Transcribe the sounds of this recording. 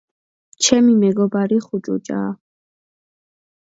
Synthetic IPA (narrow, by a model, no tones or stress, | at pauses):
t͡ʃʰɛmimɛɡɔbaɾiχut͡ʃʼṵt͡ʃʼa̰ː